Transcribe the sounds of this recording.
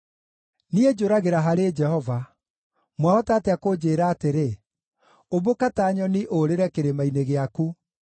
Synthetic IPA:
nied͡ʒoɾaɣeɾaɦaɾed͡ʒɛhɔva | mwaɔtaːtɛakod͡ʑeːɾaːteɾe | oβokataːɲɔniʔoɾeɾɛkeɾemaineɣeaku

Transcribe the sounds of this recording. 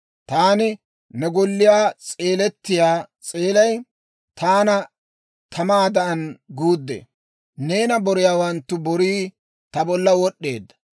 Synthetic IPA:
t̪aːnɪ | nɛɡɔlːɪjaːt͡sʼe̞ːlɛt̪ːɪjaːt͡sʼe̞ːlɐj | t̪aːnɐ | t̪ʰɐmaːd̪ɐʔɐnɡuːd̪ːḛ | ne̞ːnɐbɔɾɪjaːwɐnt̪ːʊbɔɾiː | t̪ɐbɔlːɐwɔɗːe̞ːd̪ːɐ

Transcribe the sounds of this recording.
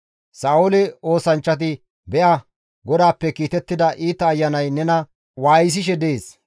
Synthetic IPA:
saːʊlɛo̞ːsɐnt͡ʃːɐt̪̬ɪ | bɛʔɐ | ɡɔd̪aːpːɛkiːt̪ɛt̪ːɪd̪ɐʔiːt̪ːɐːjːɐnɐjnɛnɐ | waːjɪs̬ɪʃ̬ɛd̪eːs

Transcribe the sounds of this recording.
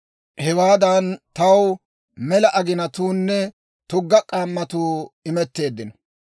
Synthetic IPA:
hɛwaːd̪ɐnt̪ɐw | mɛlɐʔɐɡɪnɐt̪uːnːɛ | t̪ʊɡːɐkʼaːmːɐt̪uːɪmɛt̪ːe̞ːd̪ːɪnɔ

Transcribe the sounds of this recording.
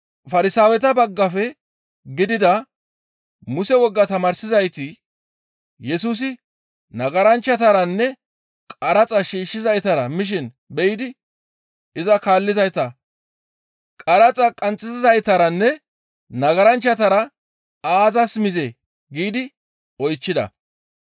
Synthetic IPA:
fɐɾɪsaːwɛt̪ɐbɐɡːɐfɛ | ɡɪd̪ɪd̪ɐ | mʊsɛwɔɡːɐt̪ɐmaːɾsɪzɐjt̪ɪ | jɛs̬uːs̬ɪ | nɐɡɐɾɐnt͡ʃːɐt̪ɐɾɐnːɛ | kʼɐɾɐt͡sʼɐʃiːʃːɪzɐjt̪ɐɾɐmɪʃ̬ɪn | bɛjɪd̪ɪ | ɪzɐkaːlːɪzɐjt̪ɐ | kʼɐɾɐt͡sʼɐkʼɐnt͡sʼːɪzɪzɐjt̪ɐɾɐnːɛ | nɐɡɐɾɐnt͡ʃːɐt̪ɐɾɐ | aːzɐsmɪze | ɡiːd̪ɪ | ɔjt͡ʃːɪd̪ɐ̰

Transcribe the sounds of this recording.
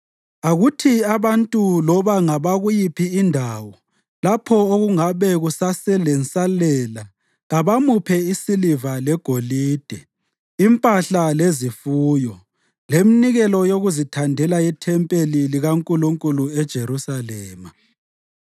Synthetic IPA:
aɣutʰiaβantʼulɔβaŋaβaɣujipʰiːndʱaːwɔ | lapʰɔoɣuŋaβɛɣusasɛlɛnt͡sʼalɛla | ɣaβamupʰɛisilivalɛɡ̥ʱoliːd̥ʱɛ | impʼaɬalezifuːjɔ | leminiɣɛlɔjoɣuzitʰandʱɛlaitʰɛmpʼeliliɣaŋkʼuluŋkʼuluɛd̥ʒ̥ʱeɾusalɛːma

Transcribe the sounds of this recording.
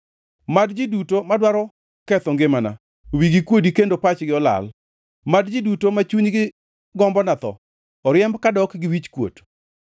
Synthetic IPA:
madd͡ʒidutomadwaɾɔ | kɛt̪ɔŋɡɪmana̰ | wiɡikwodikendopat͡ʃɡɪɔla̰l | madd͡ʒidutomat͡ʃuɲɡɪ | ɡɔmbɔnat̪ɔ̰ | ɔɾjɛmbkadɔkɡɪwit͡ʃkwo̰t

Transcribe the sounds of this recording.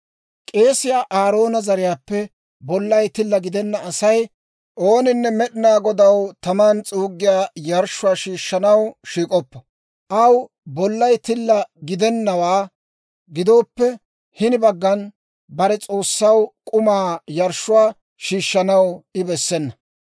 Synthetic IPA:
kʼe̞ːsɪjaːʔaːɾo̞ːnɐzɐɾɪjaːpːɛ | bɔlːɐjt̪ɪlːɐɡɪd̪ɛnːɐːsɐj | ʔoːnɪnːɛmɛɗɪnaːɡɔd̪ɐwt̪ɐmaːnt͡sʼuːɡːɪjaːjɐɾʃʊwaːʃiːʃːɐnɐwʃiːkʼɔpːɐ | ʔɐw | bɔlːɐjt̪ɪlːɐɡɪd̪ɛnːɐwaː | ɡɪd̪o̞ːpːɛ | hɪnɪbɐɡːɐn | bɐɾɛt͡sʼo̞ːsːɐwkʼʊmaːjɐɾʃːʊwaː | ʃiːʃːɐnɐwɪbɛsːɛnːɐ

